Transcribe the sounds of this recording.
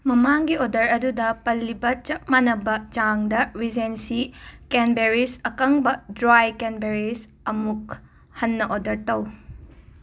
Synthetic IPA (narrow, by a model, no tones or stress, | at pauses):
mɐmaŋɡiodɐɾɐdudɐpɐlːibɐt͡ʃɐp̚manɐbɐt͡ʃaŋdɐɾizensikenbeɾisɐkɐŋbɐdɾajkenbeɾis | ɐmuk̚ | hɐnːɐʔodɐɾtɐw